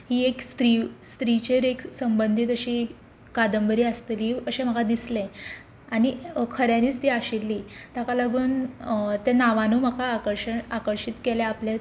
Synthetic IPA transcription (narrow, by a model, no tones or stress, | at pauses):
hiːekst̪ɾist̪ɾit͡ɕeɾeksəmbənd̪ʱiːt̪əɕiː | kad̪əmbəɾiːəst̪eliːəɕẽm̤əɡad̪islẽ | aɽ̃ikʰəɾjaniːt͡st̪iːaɕilːiːt̪akaləɡuːnt̪enaʋanuːm̤əkaːkəɾɕənakəɾɕit̪keleaplje